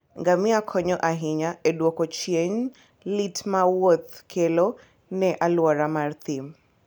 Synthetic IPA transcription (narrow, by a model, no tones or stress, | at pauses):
ŋɡamiakʰɔɲɔʔaɦiɲaeɗwɔkɔt͡ʃeɲ | litmawot̪kʰelɔ | nɛʔalwaɾamart̪im